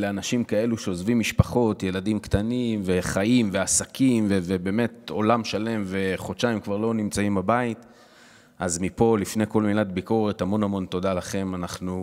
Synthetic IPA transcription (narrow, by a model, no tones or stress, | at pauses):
leanaʃimkae̞luʃe̞ozvimːiʃpaχo̞tje̞ladimkt̪animve̞χaimve̞asakimvevebe̞ːme̞t̚o̞lamʃale̞mve̞χot͡ʃajimkvaʁlo̞nimt͡saimbabait | ʔazmipo̞lifneko̞lmilatbiko̞ʁe̞thamo̞namo̞nto̞dalaχe̞manaχnu